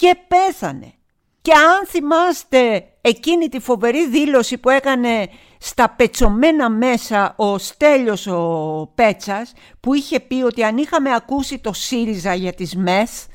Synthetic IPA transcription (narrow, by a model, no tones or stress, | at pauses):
ce̞pe̞θɐne̞̰ | ce̞ɐnθimɐst̪e̞ː | cinit̪ifo̞ve̞ɾiðilo̞sipue̞kɐne̞ | st̪ɐpe̞t͡so̞me̞nɐme̞sɐo̞st̪e̞ʎo̞sope̞t͡sɐs | puiçe̞pio̞t̪iɐnixɐme̞ɐkusit̪o̞siɾizɐʝɐt̪izme̞s